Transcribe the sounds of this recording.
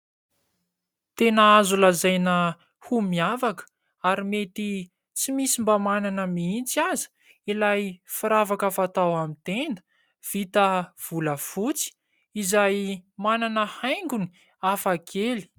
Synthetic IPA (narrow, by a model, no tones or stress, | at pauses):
t̪enaazulazajnə | humiavakə̥ | aɾimet̪i | t͡simisimbamananəmiint͡siazi̥ | ilajfiɾavakafat̪awamit̪end̪ə̥ | v̥it̪əv̥uləfut͡si̥ | izajmananəhajŋɡuni̥ | afakʰeli̥